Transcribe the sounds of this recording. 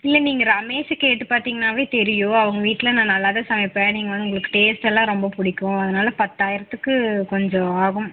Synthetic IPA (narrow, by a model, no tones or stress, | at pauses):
ɪlːɐniːŋɡɐɾɐmeːʃkeːʈːɯpaːɾt̪iːŋɡɐnaːʋeːt̪ɛɾɪjõːɐʋɐŋɡɐʋiːʈːɪlɐnãːnɐlːaːðɐsɐmɐɪpːɐniːŋɡɐʋɐnːʊŋɡɐɭɯkːɯ̥ʈeːsʈɛlːãːɾɔmbɐpʊɽɪkːʊ̃ɐðɐnaːlɐpɐt̪ːaːjɪɾɐt̪ːɯkːɯkɔɲd͡ʒɔ̃aːɣʊ̃m